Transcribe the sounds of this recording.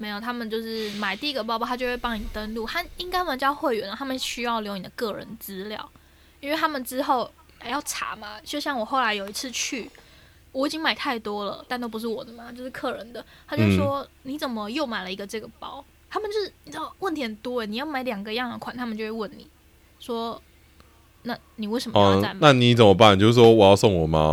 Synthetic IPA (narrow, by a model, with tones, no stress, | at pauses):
me˧˥ɪjt̪ʰa˥mə˨nt͡ɕjo˥˧ʊʂɻ̩˥˩ma˨˩ɪt̪i˥˧i˧˥ɡə˨˩p̬ɑ˥ɑ˥t̪ʰa˥jo˥˧we˥˧˩pɑ˥ŋni˨˩t̪ə˦˥nlu˥˨t̪a˥i˦ŋka˥ɪwə˨˧˦t͡ɕjɑ˥˧ʊxwe˥˩ɪɥɛ̰˨˥˦n˨˧˩t̪ʰa˥mə˨˩ɕy˥jɑ˥˩ʊljo˧˥ʊni˨˩d̪ə˦kɤ˥˩ɻə̰˧˦nt͡sɹ̩˥ljɑ̰˥˨˩ʊ | i˥nwe˥˩ɪt̪ʰa˥mə˨nʈ͡ʂɻ̩˥xo˥˩ʊ | a˨˩jɑ˥˩ʊʈ͡ʂʰa̰˧˥ma˨˦t͡ɕjo˥˧ʊɕ̬jɑ˥˩ŋwɔ˨˩xo˥˩ʊla˧˥ɪjo˨˩ʊi˧˥t͡sʰɹ̩˥˧t͡ɕʰy˥˩ | wɔ˧˦˩i˨˩t͡ɕi˦ŋma˨˩ɪt̪ʰa˥˩ɪt̪wɔ˥lə̰˨t̪a˥˧nt̪o˥pu˧˥ʂ̬ɻ̩˥˩wɔ˨˩d̪ə˦ma˩t͡ɕjo˥˧ʊʂɻ̩˥˧kʰɤ˥˩ɻə˧˦nd̪ə˨t̪ʰa˧˥t͡ɕo˥˩ʂwɔ˥ni˧˥t͡sə˨˩nmə˦jo˥˩ʊma˨˩ɪlə˦i˧˥ɡə˧ʈ͡ʂɤ˥˩ɡə˩pɑ˦˥ʊ | t̪ʰa˥mə˨nt͡ɕo˥˩ʂɻ̩˥˩ni˨˩t͡s̩˥dwə˥˩nt̪ʰjnt̪wɔ˥ə˨˩ni˨˩jɑ˥˩ʊma˧˥ɪljɑ˨˩ŋɡə˦˧jɑ˥˩ŋə˨˩kʰwa˨˩nt̪ʰa˥mə˨t͡ɕo˥˧ʊwe˥˧wə˥˩nnḭ˨˩˦ | ʂwɔ˥ | na˥˩ | ni˨we˥˩ɪʂə˧˩mə˥a˥˩nna˥˨ni˨˦t͡sə˨˩mə˦pa˥˨nt͡ɕjo˥˧ʂ̩˥˩ʂwɔ˥wɔ˨˩jɑ˥˧sɔ˥˨ŋwɔ˨˩ma̰˦